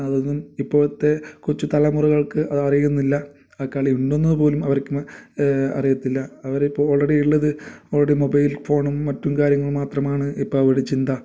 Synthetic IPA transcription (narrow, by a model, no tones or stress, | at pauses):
ɐðo̞nːumipːoːɭt̪ːe̞kurɐt͡ɕːut̪ɐlɐmurɐɣɐɭkɨʔɐðɐrijunːilːɐ | ɐkːaːɭiuɳɖonːɐðɨpo̞ːlumɐʋɐɾrkʲːum | ɐ̰rijɐt̪ːilːɐɐʋɐɾeipːoːo̞ːɭreɽiiɭːɐðɨo̞ːɭreɽimo̞bɐjlfo̞ːɳumːɐtːumkaːɾjɐŋːɐɭmaːt̪rɐmaːɳɨipːoːɭɐʋɐɽet͡ɕːind̪ɐ